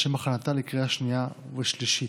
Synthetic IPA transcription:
ʃemaχanat̪alekʁeaʃnijaveʃliʃi

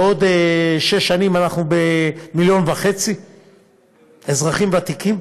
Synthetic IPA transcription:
o̞d̪eʃeʃːanimanaχnubemiljo̞nvaχet͡si | ezʁaχimvat̪ikim

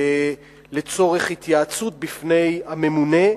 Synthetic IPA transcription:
le̞t͡so̞ʁeχhit̪jaːt͡sut̪̚bifne̞jhame̞mune̞

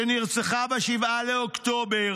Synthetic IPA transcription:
eniʁt͡seχabeʃivaleokt̪obe

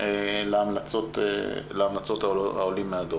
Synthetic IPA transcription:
eleamlat͡sot̪ḛleamlat͡so̞t̪aa̰olimːead̪o

